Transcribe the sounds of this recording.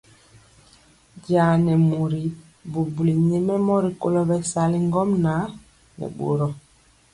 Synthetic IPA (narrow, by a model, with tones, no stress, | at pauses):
ɟaː˨nɛ˨mu˨ɾi˨˦ | bu˨bu˨li˨ɲe˦mɛ˦mɔ˦ɾi˨ko˦lɔ˦bɛ˨sa˨li˦ŋɡɔ˦mna˨˦ | nɛ̰˨ɓo̰˨ɾɔ˨